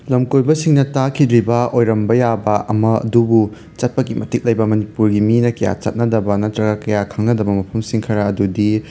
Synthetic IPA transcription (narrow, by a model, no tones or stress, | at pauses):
lɐmkojbɐsiŋnɐtakʰidɾibɐojɾɐmbɐjabɐʔɐmɐɐ̰dubu | t͡ʃɐt̚pɐkimɐtik̚lɐjbɐmɐnipuɾɡiminɐkɐja̰t͡ʃɐ̰t̚nɐdɐbɐnɐtɾɐɡɐkɐjakʰɐŋnɐdɐbɐmɐpʰɐmsiŋkʰɐɾɐɐdudi